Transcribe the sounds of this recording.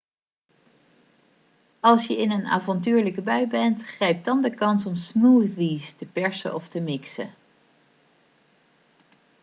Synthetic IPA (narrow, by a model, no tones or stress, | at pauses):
ɑlˠsjəɪnəna̰ːvɑntyːɹləkəbœɥbɛntχrɛjp̚dɑndəkɑnsɔmsmuθistəpɛɹsə̰ʔɔftəmɪksə̰